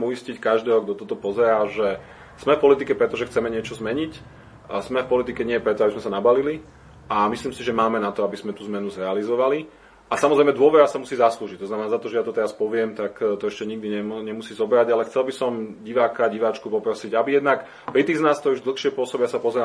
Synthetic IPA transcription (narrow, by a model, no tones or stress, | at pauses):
mujiscickaʒd̪ɛːɦɔɡd̪ɔt̪ɔt̪ɔpɔzɛɾaːʒɛ | smɛfpɔlit̪ikɛpɾɛt̪ɔʒɛxt͡sɛmɛɲɪɛt͡ʃɔzmɛɲic | zmɛfpɔlit̪ikɛɲɪɛjɛpɾɛt̪ɔabizmɛsanabalili | ʔamisliːmsiʒɛmaːmɛnat̪ɔabizmɛt̪uːzmɛnuzɾɛalizɔʋali | ʔasamɔzɾɛjmɛd̪ʊɔʋɛɾasamusiːzasluːʒic̚t̪ɔznamɛnaːzat̪ɔʒɛjat̪ɔt̪ɛɾaspɔʋɪɛmt̪akt̪ɔɛʃcɛɲiɡ̚d̪iɲɛɲɛmusiːzɔbɾaɟalɛxt͡sɛlbisɔmɟiʋaːkaɟiʋaːt͡ʃkupɔpɾɔsiɟabijɛd̪nak | pɾit̪iːɣznaːskt̪ɔɾuʒd̪l̩ˠxʃɪɛpʊɔsɔbijasapɔzɛɾa